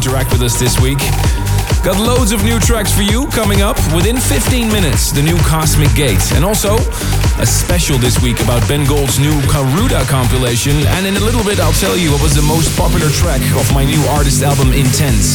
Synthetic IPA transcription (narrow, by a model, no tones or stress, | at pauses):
ntə˞æk̚t̚wɨðʌsðɪswik | ɡ̥ɑtˡloʊdzʌvnʉtʰɹ̥æksfə˞jɨkʰʌmɪ̃ŋʌpwɨθɪ̃nfɪftĩnmɪ̃nɨtsðɨnʉkʰɑsmɨk̚ɡ̥eɪtɨ̰̃ñɔlˠsoʊ | ʔɨspɛʃl̩ˠðɪswikɨbaʊt̚b̥ɛ̃nɡoʊlˠdznʉkʰɹʉɾəkʰɑ̃mpjəleɪʃɨ̃nɨ̰̃nɨ̃nɨlɪɾl̩ˠbɪɾaɪlˠtʰɛlˠjɨwʌt̚wʌzðɨmoʊspʰɑpjl̩ˠə˞tʰɹ̥ækʌvmaɪnʉɑɹɾɨstælˠbə̃mɪ̃ntʰɛ̃nts